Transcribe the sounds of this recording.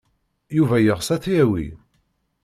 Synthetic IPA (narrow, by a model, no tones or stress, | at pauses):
juvæjəʁsæθiæwḭ